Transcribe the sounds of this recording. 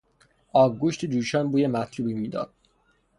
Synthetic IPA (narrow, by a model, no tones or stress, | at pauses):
ɒːvɡuʃt̪ʰed͡ʒuːʃɒːnbuːjemæt̪ʰluːbiːmiːd̪ɒ̰ːd̪̥̚